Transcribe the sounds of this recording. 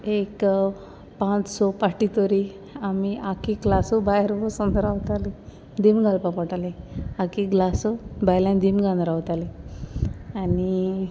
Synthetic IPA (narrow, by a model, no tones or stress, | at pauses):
ek | pãt͡ssɔpaʈit̪oɾi | amiʔakiɡlasobajɾbɔsənd̪ɾawt̪ali | d̪imɡalpapɔʈaliakiɡlasobajlãnd̪imɡãnd̪ɾawt̪ali | ani